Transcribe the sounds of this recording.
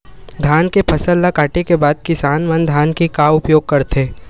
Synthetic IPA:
d̪ʱaːnkepʰɐsəlːakaːʈekebaːd̪̚kɪsaːnmɐnd̪ʱaːnkikaːʊpjoːɡ̚kɐɾt̪ʰeː

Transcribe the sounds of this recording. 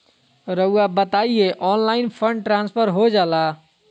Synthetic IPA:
ɾəabət̪aieʔɔnlainpʰəɳɖʈɾãnspʰəɾɦod͡ʒala

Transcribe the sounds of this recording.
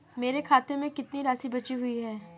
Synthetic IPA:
meːɾekʰaːt̪õmẽkɪt̪niɾaːsibɐt͡ʃiɦʊiɦɛː

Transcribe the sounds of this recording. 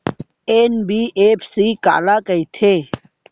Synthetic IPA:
eːnbiːʔeːpʰsiːka̰ːlaːkəiːt̪ʰeː

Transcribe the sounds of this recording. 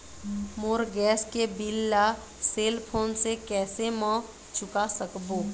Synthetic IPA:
mʊɾɡɛːskebɪlːa | seːlpʰoːnsekɛːsemɔ̃ | t͡ʃʊkasəkboː

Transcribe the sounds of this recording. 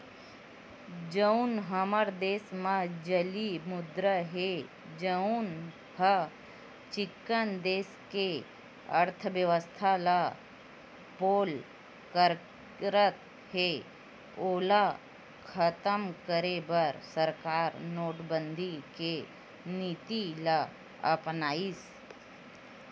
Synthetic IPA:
d͡ʒəunɦəməɾd̪eːsmãd͡ʒəlimʊd̪ɾəɦe | d͡ʒəʊn | hə | t͡ʃɪkːənd̪eːske | əɾt̪ʰəʋjəʋəst̪ʰala | poːl | kəɾ | ɾət̪̚ | he | oːla | kʰət̪əmkəɾebəɾsəɾkaːɾnoːʈbə̃nd̪ʱike | niːt̪ila | ə̰pnaːis

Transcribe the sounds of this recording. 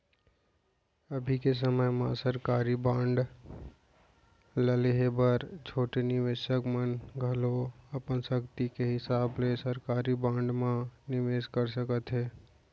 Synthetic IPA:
əbʱikes̬əməjmã̰səɾkaːɾibãːɳɖ | ləleɦebəɾt͡ʃʰoːʈenɪʋeːʃəkmənɡʱɐloɐpənsəkt̪ikeɦɪsaːblesəɾkaːɾibãːɳɖmãnɪʋeːskəɾsəkət̪ɦɛː

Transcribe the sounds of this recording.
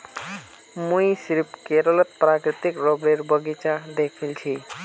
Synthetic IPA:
muisiɾpkeɾələt̪̚pɾakɾit̪ikɾɔbɾeɾbʱəɡit͡ʃad̪ekʰilt͡ʃʰi

